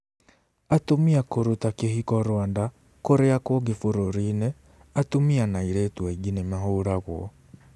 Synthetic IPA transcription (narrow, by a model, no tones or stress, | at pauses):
atomiakoɾutakehikɔɾwaːnda | koɾeakwɔɡefoɾoɾinɛ | atomianaiɾɛtwaiɡinɛmaɦoɾaɣwɔ